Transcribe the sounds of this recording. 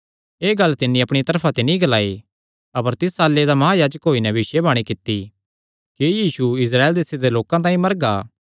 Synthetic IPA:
eːɡɐlt̪ɪnĩɐpɽ̃it̪ɐɾpʰat̪ɪnĩɡɐlaːe | ɐpəɾt̪ɪsaːlːed̪amɐɦajaːd͡ʒəkɦoːinɛbɪʃebaːɽ̃ikɪt̪ːi | kijiːsuɪs̬ɾaːeld̪eːsed̪eloːkãt̪̬ãːĩmɐɾɡaː

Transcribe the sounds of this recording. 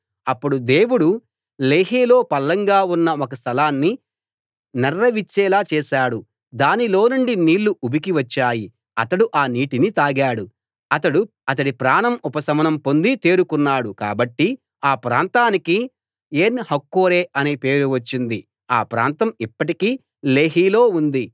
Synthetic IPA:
ɐpːuɽud̪e̞ːwuɽu | le̞ːɦiːloːpɐlːɐŋɡaːunːɐɔkɐst̪ʰɐlaːnːi | nɐrːɐʋit͡ʃːɛːlaːt͡ʃɛːʃaːɽu | d̪aːnilo̞ːnuɳɖiniːlːuʔubikiʋɐt͡ʃːaːji | ɐt̪ɐɽuʔaːniːʈinit̪aːɡaːɽu | ɐt̪ɐɽu | ɐt̪ɐɽipɾaːnɐmupɐsɐmɐnɐmpo̞nd̪it̪eːɾukunːaːɽuka̰ːbɐʈːi | aːpɾa̰ːnt̪aːniki | eːnhɐkːoːɾeːɐneːpe̞ːɾuʋɐt͡ʃːind̪i | a̰ːpɾa̰ːnt̪ɐmipːɐʈikiː | le̞ːɦiːlo̞ːund̪i

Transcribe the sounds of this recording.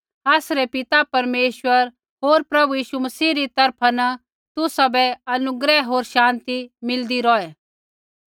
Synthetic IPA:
aːsɾɛpɪt̪apɐɾmeːʃwəɾ | ɦoːɾpɾɐbujiːʃumɐsiːɾit̪ɐɾpʰanɐ | t̪ʊsabɛɐnʊɡɾɛɦoːɾʃãːnt̪imɪld̪iɾɔːɛ

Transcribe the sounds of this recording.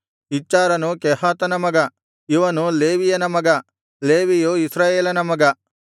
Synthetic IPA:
it͡ʃːaːɾɐnukɛhaːt̪ɐnɐmɐɡɐ | iʋɐnuleːʋijɐnɐmɐɡɐ | leːʋijuisɾaːjeːlɐnɐmɐɡɐ

